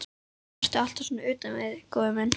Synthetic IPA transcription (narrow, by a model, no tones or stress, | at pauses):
r̥t̪ɪal̥t̪ḁsɔːnːaʏːt̪anvɪðkoːwðɪmɛn